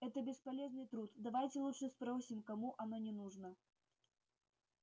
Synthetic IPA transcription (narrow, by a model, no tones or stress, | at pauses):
ɛt̪ɐbʲɛspalʲɛznɨt̪ɾut̪d̪avajt͡sʲɛlˠuʂɨspɾɔwsʲimkamuʔanɔnʲɛnuʐnɐ